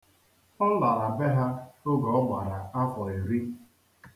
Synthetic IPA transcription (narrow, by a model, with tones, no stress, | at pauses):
ɔ˦la˨ɾa˨be˦ɦa˦ʊ˦ɡɔ˨˦ma˨ɾa˨a˦kʷɔ˨ɾe˨ɾi˦